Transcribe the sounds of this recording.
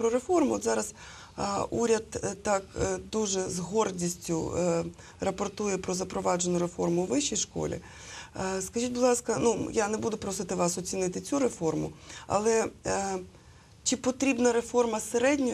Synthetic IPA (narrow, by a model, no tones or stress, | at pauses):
pɾɔɾefɔrmʊɔt̪zɑɾɐz | uɾʲɐd̪t̪ɑkd̪uʒɛzɦɔrdʲisʲtʲʊ̰ | rɐpɔrt̪ujɛpɾɔzɐpɾɔʋɑd͡ʒenʊɾefɔrmʊʋɪʃːijʃkɔ̰lʲḭ | skɐʒʲitʲbʊllˠɑskɐnujanebud̪ʊpɾɔsɪt̪ɪʋɑsɔt͡sʲinɪt̪ɪt͡sʲuɾefɔrmʊ̰ɐ̰lˠɛ | t͡ʃɪpɔt̪ɾʲibnɐɾefɔrmɐseɾɛdʲnʲɔ